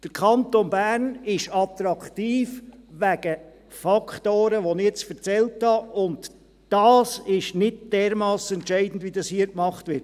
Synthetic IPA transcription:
d̥əɾkʰɑntonbæːɾnɪʃɑt̪ɾɑktiːfʋæɡə | fɑkχtoːɾəʋonɪɛt͡sfəɾt͡sɛlthɑʊnd | d̥ɑːsɪʃnɪd̚d̥ɛːɾmɑːsɛntʃɛɪd̥n̩dʋidɑshiːəkmɑχtvʋɪɾt

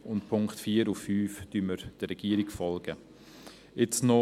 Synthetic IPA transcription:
ʊntpʰʊŋktfiːəɾufːyːfd̥ynməɾd̥əɾɛɡ̥iːəɾikfɔlɡ̥ə | ɪt͡snɔ

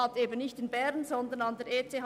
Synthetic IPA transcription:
ɑteːbən̩nɪçtɪnbɛʁnzɔndənɑndɛɾeːt͡seːh

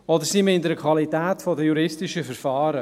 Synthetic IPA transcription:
ɔd̪əɾsiməɪndəɾkʰvɑlitɛːtfɔdəjuɾɪstɪʃəfəɾfaːɾə

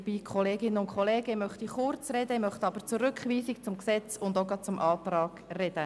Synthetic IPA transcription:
b̥iːkʰɔleːɡɪnːənʊntkχoleːɡ̥əmœχt̪iχʊrt͡srɛdəmœχt̪ɑbət͡suːɾʏkχʋiːsikt͡sʊmksɛt͡sʊnd̪oʊɡɑt̚t͡sʊmʔɑːt̪rɑːɡ̥rɛd̥ə

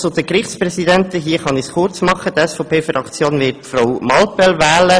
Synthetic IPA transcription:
sod̥̪əkɾɪχspɾɛsid̪ɛntəɦiːəχɑnisχʊɾt͡smɑχət̪ɛsfɔʊpʰeːfɾɑkt͡sjoːnvɪːtfɾawmɑlpɛlvæːlə

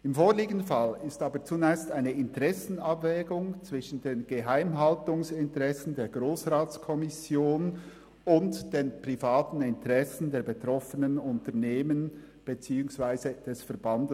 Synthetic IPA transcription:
ɪmfoːɹliːɡən̩falɪstɑːbət͡sunɛːçstaɪnəɪntəʁɛsn̩ɑbvɛːɡʊŋt͡sv̥ɪʃn̩deːnɡ̥əɦaɪmɦɑltʊŋsɪntəʁɛsn̩deːɡʁoːsʁaːt͡skʰɔmɪsjoːn | ʊntd̥eːnpʁ̥ifaːtn̩ɪntəʁɛsn̩deːɐbetʁ̥ɔfənənʊntəɐneːmən | b̥et͡siːʊŋsv̥aɪzəd̥ɛsfɛɐb̥andə

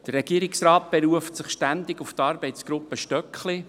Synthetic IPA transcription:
d̥ərːɛɡ̥iəɾɪksraːt̚b̥ɛɾuəftsɪχʃtænd̪ɪɡʊft̪ɑɾbɛɪt͡sɡ̥ɾʊpːəʃtœkχlɪ

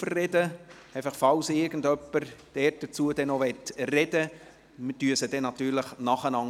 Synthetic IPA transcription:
ərrɛdə | ɛɪfɑχfɑlsɪɾɡən̩dœpːəɾd̥ɛt̚d̥ət͡suədɛnovɛtrɛd̥ə | məd̥yəsəd̥ɛnɑt̪ːyːɾləχnɑχənɑŋ

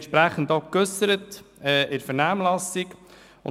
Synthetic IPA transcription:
ʃpɾæχən̩dɔkøsəɾətɛːɪɾfəɾnaːmlɑsik | ʊ̰n

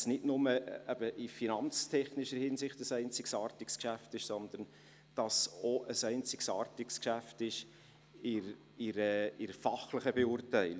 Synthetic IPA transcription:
snɪdnʊməɛb̥əʔɪfinɑnt͡stʰɛχnɪʃəhɪnsɪχtəsɛɪnt͡sɪksɑːrtɪkskʃæftɪʃsɔnd̪ən | d̥ɑsoʔəsɛɪnt͡sɪ̥ksɑːrtɪkskʃæftɪʃ | ɪɾ | ɪɾəɪɾəfɑχləχəbeʊɾtæɪl

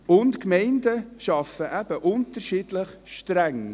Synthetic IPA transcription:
ʊntkmɛɪndəʃɑfəʔæb̥əʔʊntəɾʃiːdləχʃtɾæŋ

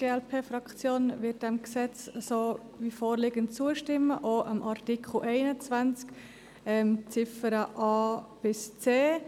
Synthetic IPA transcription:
ɡ̥eːɛlpʰeːfrɑkt͡sjoːnvɪt̚d̥ɛmksɛt͡ssoː | vifoːɾlɪːɡəntt͡suəʃtɪmːəʔoːʔəmʔaɾtikχl̩ʔɛɪnət͡svant͡sk | ɛmt͡sɪfəɾəʔɑːb̥ɪst͡seː

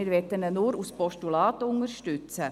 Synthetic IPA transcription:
ɪɾʋɛtənənuːɾuspɔʃtulɑːt̪ʊŋəɾʃtʉt͡sə

